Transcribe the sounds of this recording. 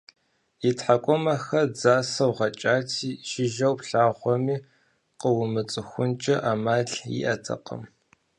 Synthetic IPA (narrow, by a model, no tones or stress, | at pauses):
itħakʷʼɔmɐxɐd͡zaːsɐwʁɐt͡ʃʼaːtʰiːʃɪʒɐwpɬaːʁʷɔmiː | qəwʊmɨt͡sʼɨxʷʊnt͡ʃʼɐʔamaːɮjḭʔɐtʰɐ̰qə̰m